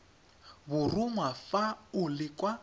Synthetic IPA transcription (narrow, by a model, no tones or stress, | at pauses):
bʊrʊmwafaʊlɪkʼwa